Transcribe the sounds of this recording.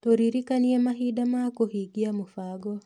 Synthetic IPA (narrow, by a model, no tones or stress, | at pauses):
tɔɾiɾikaniɛmaɦiɗamakuhiɡiamufaɡɔ